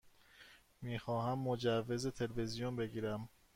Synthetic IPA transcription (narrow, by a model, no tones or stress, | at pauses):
miːxɒːɦæmːod͡ʒævːe̞zet̪ʰe̞lvezijonbe̞ɡiːɾæm